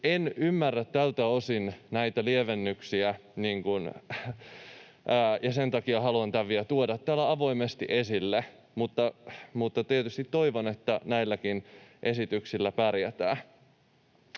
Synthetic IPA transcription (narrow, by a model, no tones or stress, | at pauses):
enymːærːæt̪tælt̪æosinnæit̪ælieʋenːyksiæniːŋkun | jɑsent̪ɑkiɑhɑluɑnt̪æʋʋiæt̪uodɑt̪ːæːlːæɑʋo̞imest̪iʔesilːe | mut̪ːɑmut̪ːɑt̪iet̪yst̪it̪ːo̞iʋonet̪ːænæilːækinʔe̞sit̪yksilːæpærjæt̪æ̰ː